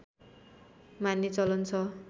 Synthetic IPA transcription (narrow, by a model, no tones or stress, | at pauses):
manːit͡sʌlʌnt͡sʰʌ